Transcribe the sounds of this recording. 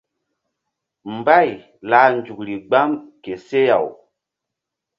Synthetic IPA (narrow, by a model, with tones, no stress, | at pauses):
mba˦˨j | laː˨˦nd͡ʒu˨kɾi˨ɡ͡ba˦mke˨se˦ja̰˨w